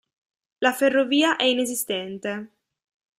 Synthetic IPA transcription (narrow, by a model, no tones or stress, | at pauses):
laferːoviːaʔɛinezist̪ɛnt̪e